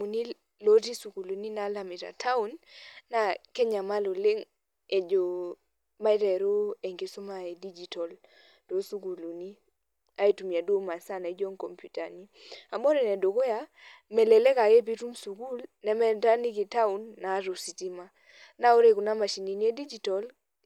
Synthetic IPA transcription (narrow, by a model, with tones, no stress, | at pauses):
u˨ni˦ | lo˦ti˦su˨ku˨lu˨ni˦na˨˦la˨mɪ˨ta̰˨tʰa˦u˦nːa˦kɛ˦ɲa˨ma˦lo˨le˦ŋ | e˨d͡ʒo˨ | ma˦i˦tɛ˨ɾo˦e˨ŋɡe˨so˦ma˦e˨di˦d͡ʒi˨tɔ˨l | to˨su˦ku˨lu˨ni˦ | a˦e˦tu˨mi˨a˨do˦ma˨sa˦˨na˨˦d͡ʒo˦ŋkɔ˨mpju˨ta̰˨ni˦ | a˨mɔ˦ɾɛ˨nɛ˨do˨ko˦ja˦ | mɛ˨lɛ˨lɛ˦ka˨ke˦p̬i˦tu˦msu˨ku˦lnɛ˨˦mɛ˦ta˦ni˦ki˨ta˦u˨nːa˨˦ɾo˨si˨ti˦ma˦ | na˦o˦ɾe˨ku˨na˦ma˨ʃi˨ni˨ni˦e˦di˦d͡ʒi˨tɔ˨l